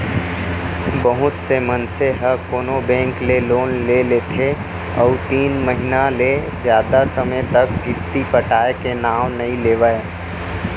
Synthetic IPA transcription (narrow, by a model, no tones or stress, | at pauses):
bəɦʊt̪semənseɦəkoːnobɛ̃ːŋkleloːnleleːt̪ʰe | ɔːt̪iːnməɦɪnale | zjaːd̪asəməjt̪ɐkːɪst̪ipəʈaːekenaːmnɐɦĩleːʋae